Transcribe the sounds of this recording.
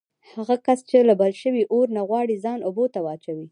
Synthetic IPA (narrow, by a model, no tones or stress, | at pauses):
haɣakast͡ʃelabalʃəwiʔoɾnaɣwɑɽizɑnʊbot̪awɑt͡ʃawi